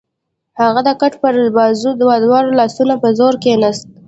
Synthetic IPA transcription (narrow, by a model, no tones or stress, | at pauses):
haɣad̪əkaʈpəɾbɑzud̪əwad̪wɑɾolɑsunapəzoɾkenast̪̚